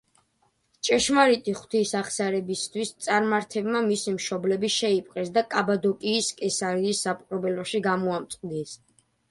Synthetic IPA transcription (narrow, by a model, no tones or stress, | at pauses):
t͡ʃʼɛʃmaɾit̪ʼiχwt̪ʰisaχsaɾɛbist̪ʰwist̪sʼaɾmaɾt̪ʰɛbmamisimʃɔblɛbiʃɛipʼqʼɛsd̪akʼabad̪ɔkʼiːskʼɛsaɾiːsːapʼqʼɾɔbɛlɔʃiɡamɔamt̪sʼqʼd̪is